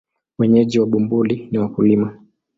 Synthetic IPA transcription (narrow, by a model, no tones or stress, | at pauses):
wɛɲɛʄiwaɓumbuliniwakulima